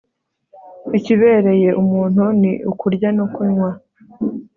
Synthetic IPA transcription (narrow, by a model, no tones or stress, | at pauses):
iciβe̞ːɾe̞je̞ʔumuːn̥hunḭʔukuɾɟanokuɲwa